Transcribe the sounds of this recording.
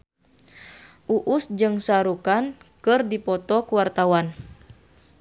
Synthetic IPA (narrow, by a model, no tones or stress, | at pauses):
ʔuʔusd͡ʒɨŋsaɾukankɨrdipɔt̪ɔkuwart̪awan